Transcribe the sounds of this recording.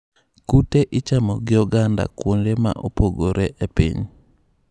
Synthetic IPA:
kuteʔɪt͡ʃamɔɡɪɔɡanda̰kwondema̰ʔopoɡoɾʔeʔepḭɲ

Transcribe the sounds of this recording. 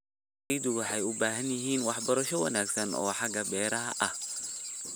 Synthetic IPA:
jd̪ʊwɑħɑjʊbaːɦɐnjɪɦiːnwɑħbɐɾɐʃɔwɐ̰naːɡsɐnɔ̰ːħɑɡɐbɛːɾɐɦɐʔɐh

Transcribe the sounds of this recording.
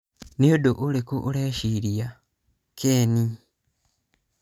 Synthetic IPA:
nijodoʔulekuʔːleʃiɾija | kʰeːni

